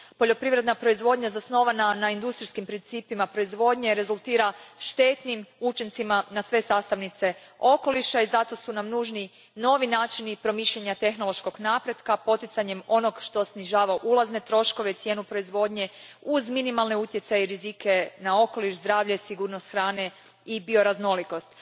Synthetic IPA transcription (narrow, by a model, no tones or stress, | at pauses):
po̞ʎo̞pɾiʋɾe̞d̪napɾo̞izʋo̞d̪ɲazasno̞ʋananaind̪ust̪ɾiskimpɾint̪siːpimapɾo̞izʋo̞d̪ɲe̞ɾe̞zulˠt̪iːɾaʃt̪e̞t̪nimut͡ʃint̪simanasʋe̞saːst̪aʋnit̪se̞o̞ko̞liʃaizat̪o̞sunamnuːʒni | no̞ʋinaːt͡ʃinipɾo̞miːʃʎeɲat̪e̞xno̞lo̞ʃko̞ɡnaːpɾe̞d̪kapo̞t̪it̪saɲe̞mo̞no̞ɡʃt̪o̞sniʒaːʋaʔulˠazne̞t̪ɾo̞ʃko̞ʋeit̪sje̞ːnupɾo̞izʋo̞d̪ɲe̞uzminimalne̞ut̪je̞t̪sajeiɾizike̞nao̞ko̞liʃzd̪ɾaːʋʎe̞siɡuːɾnost̪xɾaːne̞ | ibio̞ɾazno̞liko̞st̪